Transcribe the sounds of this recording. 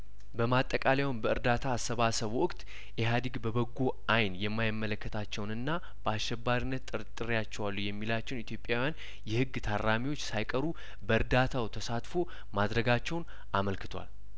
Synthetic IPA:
bəmat̪ʼːəkʼalewunbəɨɾd̪at̪ʰaːsːəβasəβwʊkʼt̪ʼ | ʔɛɦad̪iɡbəbəɡːoʔajnjɛmːajɪmːələkːət̪ʰat͡ʃːɛwnɨnːa | b̥əasʃɛbːaɾinːət̪ʼːɨɾɨt̪ʼːɨɾijat͡ʃːɛwalːujɛmːilat͡ʃːɛwnit̪ʰjo̞pʼjawjan | jɛhɨɡːt̪ʰarːamiwo̞t͡ʃːsajkʼəɾu | bəɨɾd̪at̪ʰawt̪ʰəsat̪fo̞ | mad̪ɾəɡat͡ʃːɛwn | ʔaməlkɨt̪ʰwa̰l

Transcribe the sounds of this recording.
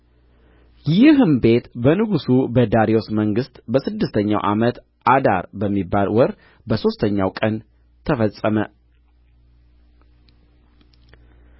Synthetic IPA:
jɪhɨmbe̞t̪bənɨɡusubəd̪aɾiosməŋɡɨst̪ʼbəsɨd̪ːɨst̪ʰəɲːa̰wʔa̰mət̪ | ʔad̪a̰ɾbəmːibːalwɔɾ | bəso̞st̪ʰəɲːa̰wkʼən | t̪ʰəfəsʼəmə

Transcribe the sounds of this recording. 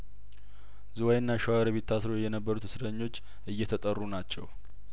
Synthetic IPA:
zɨwajɨnːaʃwaɾəβet̪ʰːasɾojɛnəbːəɾut̪ʰɨsɾəɲːo̞t͡ʃː | ʔɨjːɛt̪ʰət̪ʼərːunat͡ʃːɛw

